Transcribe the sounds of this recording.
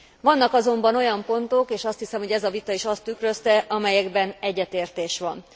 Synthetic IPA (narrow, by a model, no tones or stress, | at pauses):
ʋɒnːɒkɒzo̞mbɒno̞jɒmpo̞nt̪o̞keːʃɒst̪hisɛmho̞ɟɛzɒvit̪ɒiʃɒst̪ykrø̞st̪ɛʔɒmɛjɛɡbɛnɛɟːɛt̪eːrt̪eːʃʋɒn